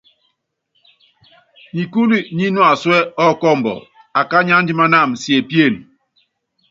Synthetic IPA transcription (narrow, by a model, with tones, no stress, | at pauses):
ɲi˨ku˦li˦ɲi˦nwa˨swɛ˦ɔ˦kɔ˦˨m̩˨bɔ̰˨ | a˨ka˦ɲa˦n̩˦di˦ma˦na˦˨msje˨pje˦˨n